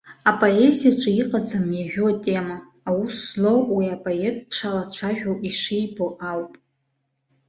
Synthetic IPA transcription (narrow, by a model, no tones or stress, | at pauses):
apʼoe̞zijaʈ͡ʂʼɨiqʼad͡zamjaʒᶣuatʲʼe̞maː | wuslowiapʼoetʼpʰʂʰalat͡ɕʷʰaʒᶣowʔiʂejboʔawpʼ